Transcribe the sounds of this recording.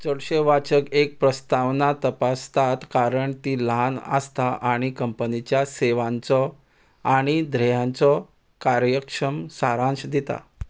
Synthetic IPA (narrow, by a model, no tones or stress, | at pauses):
t͡səɽɕeʋat͡ɕəkek̚pɾəst̪aʋnat̪əpast̪at̪kaɾəɳt̪iːlɦanə̰st̪aʔaɽ̃ikəmpənit͡ɕjaseʋãnt͡sɔ | aɽ̃id̪ʱɾəjãnt͡sɔ | kaɾjəkʂəmsaɾãɕd̪et̪a̰